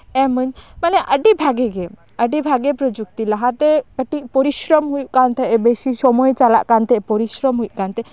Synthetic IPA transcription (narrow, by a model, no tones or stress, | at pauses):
ɛməɲmanɛʔəɖibʱaɡɛɡɛ | əɖibʱaɡɛpɾɔd͡ʒuk̚t̪ilaɦat̪ɛkəʈik̚pɔɾiʃɾɔmɦujuʔkant̪ʰɛʔɛbeʃisɔmɔjt͡ʃala̰ʔkant̪ɛʔɛpɔɾiʃɾɔmɦujʔkant̪ɛ